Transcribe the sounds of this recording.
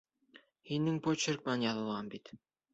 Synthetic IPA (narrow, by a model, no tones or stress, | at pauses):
hinɘŋpot͡ʃeɾk̚mɑnjɑlˠɤ̆lˠʁɑmbit̪